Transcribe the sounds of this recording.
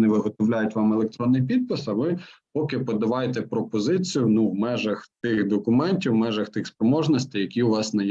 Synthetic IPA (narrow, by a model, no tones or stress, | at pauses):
nɛʋɪɦɔt̪ɔwlʲajʊtʲʋɑmelˠek̚t̪ɾɔnːɪjpʲid̪̚pɪsɐʋɪpɔkɪpɔd̪ɐʋɑjet̪ɛpɾɔpɔzɪt͡sʲijʊnuwmɛʒɐxt̪ɪxd̪ɔkʊmɛnʲtʲiwmɛʒɐxt̪ɪxspɾɔmɔʒnɔsʲt̪ɪjɐkʲiʊʋɑsnɐj